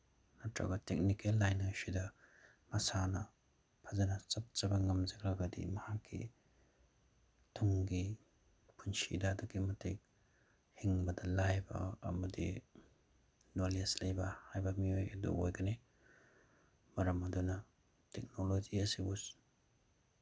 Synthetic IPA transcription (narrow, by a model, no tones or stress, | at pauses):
natɾa̰ɡɐtek̚nikelːajnasidɐ | mɐsanɐ | pʰazɐnɐt͡ʃɐt̚t͡ʃɐbɐŋɐmzɐkɾaɡadḭmɐhakʰːḭ | tʰuŋɡi | pʰunsḭdadɐkimɐtʰek̚ | hiŋbɐdɐlajbɐ̰ːmɐdḭ | noleslɐjbɐhajbɐmiojɐdṵojɡɐne | mɐɾɐmɐdunɐ | tek̚nolod͡ʒiɐsibus